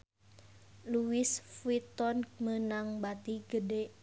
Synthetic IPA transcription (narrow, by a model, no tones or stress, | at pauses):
luwisfuit̪ɔnk̚mənaŋbat̪iɡəde